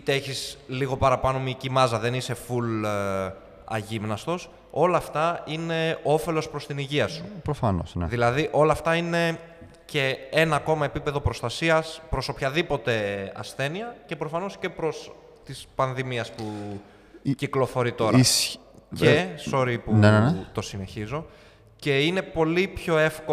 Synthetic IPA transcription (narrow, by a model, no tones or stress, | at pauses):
t̪eeçisliɣo̞pɐɾɐpɐno̞micimɐzɐðe̞nise̞ful | ɐ̰ʝimnɐst̪o̞s | o̞lɐːft̪ɐine̞o̞fe̞lo̞spɾo̞st̪iniʝiɐsu̥pɾofɐno̰snðilɐðiʔo̞lɐːft̪ɐine̞ | ce̞enɐːko̞mɐe̞pipe̞ðo̞pɾo̞st̪ɐsiɐspɾo̞so̞pçɐðipo̞t̪e̞ɐ̰sθe̞niɐce̞pɾo̞fɐno̞sce̞pɾo̞s | t̪ispɐnðimiɐspu | ciklo̞fo̞ɾit̪o̞ɾɐ | cso̞ɾipunnt̪o̞sine̞çizo̞ | ce̞ine̞po̞lipço̞e̞fko